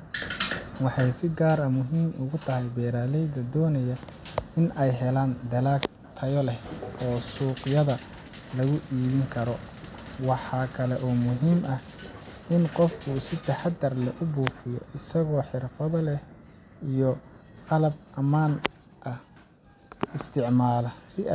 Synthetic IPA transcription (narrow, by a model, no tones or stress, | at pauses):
wɑħɑjsɪɡaːɾɐmʊɦiːmʔʊɣʊt̪ʰɐɦɛjbɛːɾaːlɛjd̪ɐd̪ɔːnɐjɐɪnɛjɦɛlaːnd̪ɐlaːk | t̪ʰɐjɔlɛhɔːsuːqjɐðɐ | lɐɣʊʔiːβɪŋkʰɐɾɔ | wɑħɑːkʰɐlɛʔɔːmʊɦiːmʔɐhʔɪnqɔfkʰʊsɪt̪ʰɐħɑd̪ɐrlɛʔʊbuːfɪjɔ̰ʔɪsɐɣɔːħɪrfɐðɔlɛh | ijɔqɑlɐb̚ʔɐmaːn | ʔɐh | ɪst̪ʰɪʕmaːlɐsɪ